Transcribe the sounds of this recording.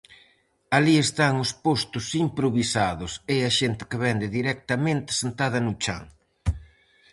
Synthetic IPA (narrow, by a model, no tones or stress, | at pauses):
aliest̪aŋʊspost̪ʊsimpɾoβisaðʊseaʃent̪ɪ̥keβɛnd̪ɪðiɾɛk̚t̪ɐmẽnt̪ɪ̥sent̪að̞ɐnʊt͡ʃa̰ŋ